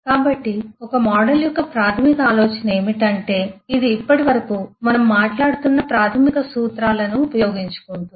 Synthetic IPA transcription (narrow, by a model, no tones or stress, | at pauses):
kaːbɐʈːiɔkɐmɔːɽɐljɔkːɐpɾaːt̪ʰɐmikɐaːlo̞ːt͡ʃɐnɐe̞ːmiʈɐɳʈe̞ːid̪iːpːɐʈiʋɐɾɐkuːmɐnɐmːaːʈlaːɽut̪unːɐpɾaːt̪ʰɐmikɐsuːt̪ɾaːlɐnuːpɐjo̞ːɡiɲt͡ʃu̥kund̪u